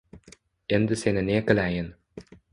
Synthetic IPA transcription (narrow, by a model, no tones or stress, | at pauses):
end̪ɘsenɘnekə̆læjən